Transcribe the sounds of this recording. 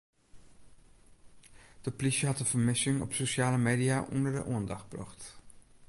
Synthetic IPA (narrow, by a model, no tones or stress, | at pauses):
d̥əplisəɦɑtəv̥əɹmɪsɪŋɔ̰psoʃaːləmeːdijaʔɔndəɹdə̰ʔuəndɑχbrɔ̰χt